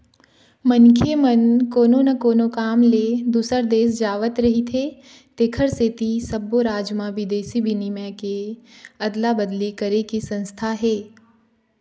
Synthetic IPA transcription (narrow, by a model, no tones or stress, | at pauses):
mənkʰemənkoːnonɐkoːnokaːmled̪uːsəɾd̪eːs̬d͡ʒaːʋət̪ɾɐɦit̪ʰeː | t̪eːkʰəɾset̪isɐbːoɾaːd͡ʒmãʋɪd̪eːsibʱɪnimɛ̃keɐd̪labəd̪likəɾekisɐ̃nst̪ʰaɦɛː